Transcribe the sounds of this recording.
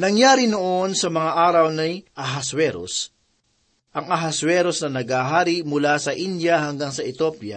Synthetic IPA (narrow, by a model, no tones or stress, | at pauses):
nɐŋjaːɾɪnoʔonsɐmɐŋaʔaːɾɐwnɐjʔɐɦɐswɛɾo̰s | ʔɐŋɐɦɐswɛːɾosnɐnɐɡhaːɦaːɾɪmʊlasɐʔind̪jɐɦɐŋɡaŋsɐʔɪt̪opjɐ̰